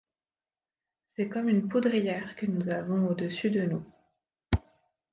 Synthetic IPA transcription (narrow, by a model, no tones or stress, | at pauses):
sɛkɔmynpud̪ʁijɛʁkənuzavɔ̃od̪əsyd̪ənu